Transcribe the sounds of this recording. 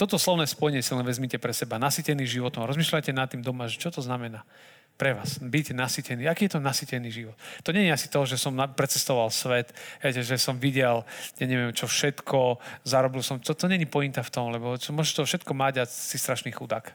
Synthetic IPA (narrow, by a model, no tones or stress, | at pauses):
t̪ɔt̪ɔslɔʊnɛːspɔjɛɲɪɛsilnɛʋɛzmicɛpɾɛsɛbanasicɛniːʒiʋɔt̪ɔmɾɔzmiːʃlajcɛnat̪ːiːmd̪ɔmaʒɛt͡ʃɔt̪ɔznamɛna | pɾɛʋaːsbicnasicɛniːakiːjɛt̪ɔnasicɛniːʒiʋɔt̪ːɔɲɛɲiasi̥t̪ɔɦʒɛsɔmapɾɛt͡sɛst̪ɔʋalsʋɛt̪ɦɛjcɛʒɛsɔmʋiɟɛljaɲɛʋɪɛmt͡ʃɔfʃɛt̪kʰɔzaɾɔbilsɔmt̪ɔt̪ɔɲɛɲipɔint̪aft̪ɔmlɛbɔt͡ʃmʊɔʒɛʃt̪ɔfʃɛt̪kɔmaɟasist̪ɾaʃniːxud̪ak